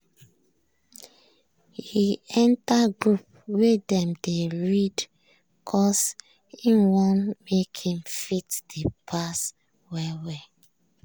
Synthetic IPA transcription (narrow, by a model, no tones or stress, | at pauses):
hiɛ̃ntaɡɹup̚ | wedɛ̃mdeɹid | kʰɔs | ĩnwɔ̃nmekʰĩmfitd̥epʰas | wɛwɛ